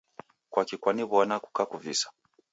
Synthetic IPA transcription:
kwakikwaniβɔnaku̥kakuvisḁ

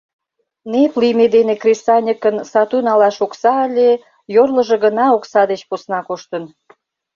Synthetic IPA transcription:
neplimed̪enekrʲesɑnʲəkənsɑt̪unɑlɑʃoksɑəlʲe | jorlə̆ʒĕɡənɑoksɑd̪et͡ɕposnɑkoʃt̪ən

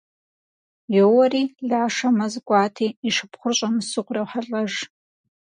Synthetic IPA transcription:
jowɐriːɮaːʂamɐzɡʷʼaːtʰiːʂɨpʰχʷʊrɕʷʼamɨsɨqʷʼrawħaɬʼaʐ

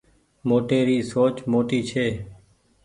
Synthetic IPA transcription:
moːʈeːɾiːsoːt͡ʃmoːʈiːt͡ʃʰeː

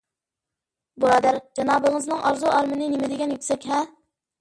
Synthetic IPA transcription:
bolˠɑd̪æɾd͡ʒɑnɑːbəŋəznɨŋʔɑɾzuʔɑɾmɪnɪnemɪd̪ɪɡʲɛnjykʲsɛkʲɦɛ

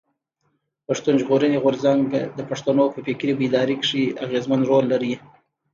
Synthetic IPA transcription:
paʂt̪unʒɣoɾəneɣʊɾzaŋɡd̪əpaʂt̪anopəpekɾibid̪ɑɾikʂiaɣezmanɾolːaɾi

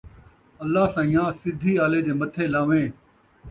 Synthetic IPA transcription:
ɐlːaːsãːĩjãːsɪd̪ʱiːaːleːd͡ʑeːmɐt̪ʰeːlaːʋẽː

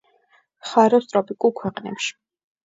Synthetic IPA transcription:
χaɾɔst̪ʼɾɔpʼikʼulˠkʰwɛqʼnɛ̰pʃi̥

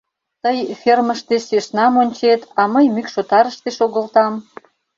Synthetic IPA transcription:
t̪əjferməʃt̪eseʃnɑmonʲt͡ɕet̪ɑməjmykʃot̪ɑɾəʃt̪eʃoɣəlt̪ɑm

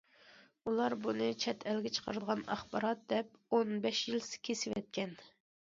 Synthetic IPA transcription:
ulˠɑɾbunɨt͡ʃʰɛt̪ʰɛlɡʲɛt͡ʃʰə̥qʰəɾɨd̪əʁɑnɑ̰χbɑɾɑt̪̚d̪ɛp̚onbɛʃjilsɪ̥kʲʰesɪvɛt̪̚kʲʰɛn

